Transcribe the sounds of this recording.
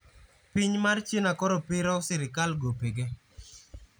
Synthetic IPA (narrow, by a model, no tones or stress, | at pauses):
pɪɲmart͡ʃɪnakɔɾɔpɪɾɔsɪɾɪkalɡopeɡe